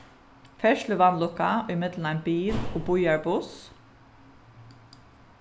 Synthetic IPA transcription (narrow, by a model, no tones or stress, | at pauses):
fɛʃlɪʋanlʊkːaʊjmɪt̪lənaɪnbiːloːbʊjaɹbʊs